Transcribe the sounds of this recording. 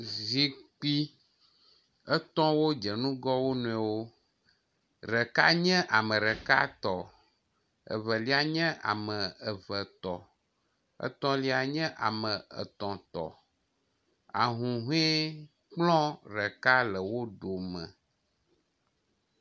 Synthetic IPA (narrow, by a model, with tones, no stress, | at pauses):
zi˨k͡pi˦ | ə˦t̪ɔ̃˦wo˦d͡ʒə˨nũ˦ɡɔ˦wo˦nũ˨ɛ˨wo˦ | ɾə˨ka̰˦ɲɛ̃˦ʔa˨mə̃˨ɾə˨ka̰˦t̪ɔ˨ | ə̰˨və˨li˦a˨ɲɛ̃˦ʔa̰˨mə̃˨ə˨və˨t̪ɔ˨ | ə̰˦t̪ɔ̃˦li˦a˨ɲɛ̃˦ʔa̰˨mə̃˨ʔə̰˨t̪ɔ̃˨t̪ɔ̰˨ | a̰˨ɦũ˨ɦe˦ | k͡plɔ̃˦ɾə˨ka˦lə˨wo˦ɖo˨mə̰̃˨